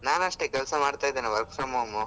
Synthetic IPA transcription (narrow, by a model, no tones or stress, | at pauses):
naːnɐʂʈekɛlsɐmaːɖt̪aːjd̪eːneʋɐɾkfɾɐmɐmu